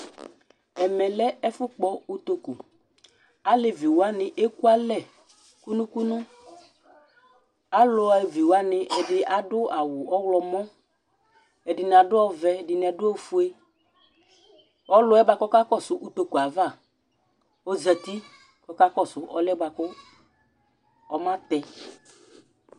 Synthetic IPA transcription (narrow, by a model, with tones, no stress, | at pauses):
ɛ˨mɛ˨lɛ˦ɛ˦fʊ˦k͡pɔ˦u˦t̪o˦ku˨ | a˦le˦vi˨wa˦nɪ˨ʔe˦ku˦a˦lɛ˦˨ | ku˦nʊ̃˦ku˦nʊ̃˦ | a˦lʊ˨vi˨wa˦nɪ˨ʔɛ˨dɪ˨a˨dʊ˦a˨wʊ˨ɔ˦wlɔ˨mɔ̃˦ | ɛ˨dɪ˨n˨a˨dʊ˦ɔ˦vɛ˨dɪ˨n˨ɛ˨dʊ˦o˦fu˦e˦ | ɔ˦lʊ˨˦ɛ˦ba˦kɔ˦ka˦kɔ˦˨sʊ˨ʔu˦t̪o˨ku˨a˨va˦˨ | ɔ˦za˨t̪i˦ | kɔ˦ka˦kɔ˦˨sʊ˨˦ʔɔ˦lɛ˦ba˨kʊ˦ | ɔ˨mã˦t̪ɛ˨